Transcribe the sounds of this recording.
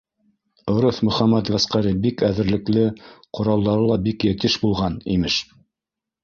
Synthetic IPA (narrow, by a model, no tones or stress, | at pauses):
ŏɾoθmɵ̆χæmæt̪væsqæɾibikæðɘ̆ɾlɘ̆klɘqŏɾɑlˠd̪ɑɾɤlˠɑbikjæt̪iʃbulˠʁɑnḭmɘʃ